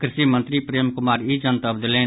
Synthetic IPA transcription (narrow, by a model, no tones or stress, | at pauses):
kɾɪʃimə̃nt̪ɾipɾeːmkʊmaːɾid͡ʒənt̪əbd̪ɪlẽː